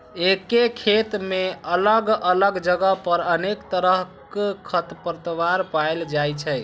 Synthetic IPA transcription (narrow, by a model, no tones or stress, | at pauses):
ekekʰet̪meələɡələɡd͡ʒəɡəpəɾənekt̪əɾəɦkkʰət̪pəɾt̪ʋaɾpaeld͡ʒajt͡ʃʰɛj